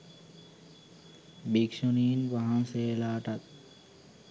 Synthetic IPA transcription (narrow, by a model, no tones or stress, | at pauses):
bikʂuniːnʋaɦãnseːlaːʈat̪̚